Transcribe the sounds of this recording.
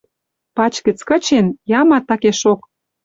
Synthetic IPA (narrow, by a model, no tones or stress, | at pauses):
pɑt͡ɕkə̆t͡skə̆t͡ɕenjɑmɑt̪ːɑkeʃok